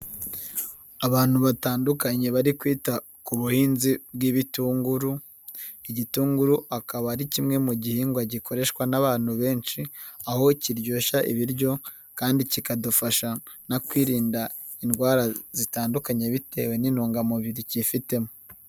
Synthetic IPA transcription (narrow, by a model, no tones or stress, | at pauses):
aβaːn̥huβataːndukaɲe̞βaɾikwiːta | kuβuhiːnzibɡiβituːŋɡuɾu | iɟituːŋɡuɾuakaβaɾicimŋe̞muɟihiŋɡwaɟikʰo̞ɾe̞ʃwanaβaːn̥huβe̞ːnt͡ʃiaho̞ciɾɟo̞ːʃaʔḭβiɾɟo̞ | kaːndicikadufaʃanakwiːɾiːnda | inɡwaːɾazitaːndukaɲe̞βite̞ːwe̞ninoːŋɡamuβiɾicifite̞mo